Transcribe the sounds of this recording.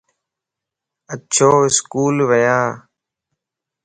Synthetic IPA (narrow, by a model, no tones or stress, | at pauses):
ətt͡ʃʰoːɪskuːlʋəjaː